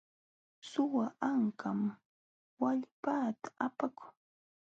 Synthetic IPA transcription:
sʊwaaŋkam | waʎpaːt̪ḁapakʊ̥ŋ

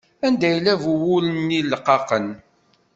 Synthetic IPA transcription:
ænd̪æjlːævuwʊlənːilːqːɑqən

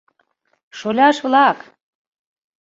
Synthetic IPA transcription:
ʃolʲɑʃβlɑk

